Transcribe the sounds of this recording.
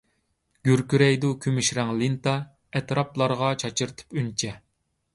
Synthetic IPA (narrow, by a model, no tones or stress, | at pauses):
ɡ̥ʲyɾkʲyɾɛjd̪ukʲʰømyʃɾɛŋlˠint̪ɑ | ɛt̪ɾɑplˠɑɾʁɑt͡ʃʰɑt͡ʃʰɨɾt̪ʰɨ̥pynt͡ʃʰɛ